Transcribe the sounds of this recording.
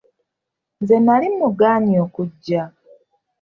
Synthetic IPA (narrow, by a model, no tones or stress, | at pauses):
zenalimuɡaːnioːkuɟːa